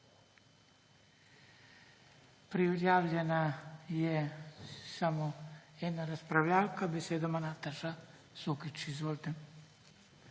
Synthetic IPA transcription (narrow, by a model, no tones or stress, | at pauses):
pɾiujaːʋʎenaje | samoed̪naɾaspɾaʋʎaːlkabeseːd̪amanat̪aʒa | sukit͡ʃizʋolˠt̪e